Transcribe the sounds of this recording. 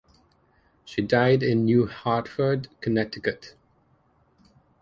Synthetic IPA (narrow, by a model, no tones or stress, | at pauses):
ʃidaɪdɪ̃nːjuːhɑɹtfə˞dkʰənɛtɪkət